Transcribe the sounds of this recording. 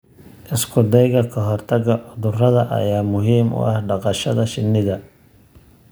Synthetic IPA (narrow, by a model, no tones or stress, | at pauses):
ʔɪskʰʊd̪ɛjɣɐkʰɐɦɔrt̪ʰɐɡɐʕʊðʊrɐðɐʔɐ̰jaːmʊɦiːmʊ̰ʔɐhɖɑqɑʃɐðɐʃɪnːɪðɐ